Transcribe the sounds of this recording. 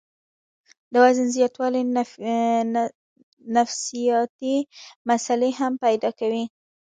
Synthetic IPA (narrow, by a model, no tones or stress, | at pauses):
d̪əwazənzjɑt̪wɑli | nafsijɑt̪imasaleɦampajd̪ɑkawi